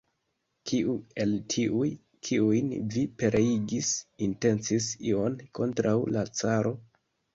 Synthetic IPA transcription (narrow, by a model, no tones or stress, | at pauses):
kʰiue̞ltʰiʔuj | kʰiujnvipe̞ɾʔeiɡisinte̞nt͡sisio̞nko̞ntɾawlat͡saɾo̞